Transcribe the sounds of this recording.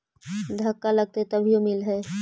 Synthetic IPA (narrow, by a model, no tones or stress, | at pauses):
d̪ʱɐkːalɐɡ̚t̪et̪ɐbʱiomɪlɦɛː